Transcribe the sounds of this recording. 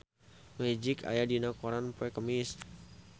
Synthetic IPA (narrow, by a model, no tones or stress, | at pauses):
mɛd͡ʒɪka̰jadinakoɾanpɛkəmis